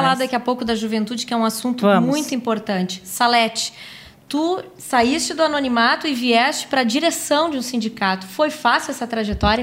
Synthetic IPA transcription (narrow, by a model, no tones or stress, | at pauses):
alad̪ʊd̪akiɐpowkʊd̪ɐʒuvẽnt̪ud͡ʒɪkɪɛũasũnt̪ʊmũj̃t̪ʊĩmpoɾt̪ɐ̃nt͡ʃɪ̥salɛt͡ʃɪ̥ | t̪u | saist͡ʃɪd̪ʊanõnimat̪ʊɪviɛst͡ʃɪ̥pɾɐd͡ʒiɾesɐ̃w̃d͡ʒɪũsĩnd͡ʒikat̪ʊ̥fojfasɪɛsɐt̪ɾaʒet̪ɔɾjɐ